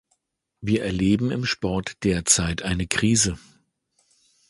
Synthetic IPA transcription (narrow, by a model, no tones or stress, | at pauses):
viːɐʔɛɐleːbm̩ɪmʃpɔɐtd̥eːɐt͡saɪtʔaɪnəkʁ̥iːzə